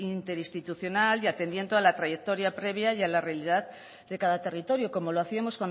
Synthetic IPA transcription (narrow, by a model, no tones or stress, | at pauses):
int̪e̞ɾist̪it̪uθjo̞naliat̪e̞nd̪je̞nd̪oalat̪ɾaje̞k̚t̪oɾjapɾe̞β̞jajalarealiðað | d̪ekaðat̪e̞rit̪o̞ɾjoko̞mo̞loaθiamo̞skwan